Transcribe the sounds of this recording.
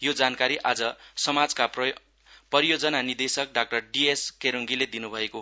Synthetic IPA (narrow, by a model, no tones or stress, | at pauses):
jod͡zankaɾiʔad͡zʌsʌmad͡zkap | pʌɾijod͡zʌnanird̪esʌk̚ɖak̚ʈʌrɖieskeɾuŋɡiled̪inubʱʌeko